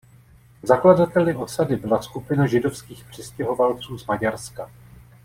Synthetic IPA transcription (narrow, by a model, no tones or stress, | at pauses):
zakladat̪ɛlɪʔosadɪbɪlaskupɪnaʒɪdo̞fskiːxpr̥ɪscɛɦo̞valt͡suːzmaɟaɾska